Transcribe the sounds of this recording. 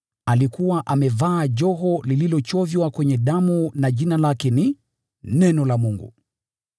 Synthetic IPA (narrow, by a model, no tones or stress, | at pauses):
alikuwaʔamɛvaːʄɔɦɔlililɔt͡ʃɔvjwakwɛɲɛɗamunaʄinalakɛni | nɛnɔlamuŋɡṵ